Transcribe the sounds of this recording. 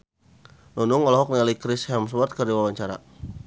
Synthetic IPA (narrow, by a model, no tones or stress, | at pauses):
lunʊŋɔlɔɦɔk̚nialikɾɪshɛms̬wɔrt̪̚kərdiwawaɲt͡ʃaɾa̰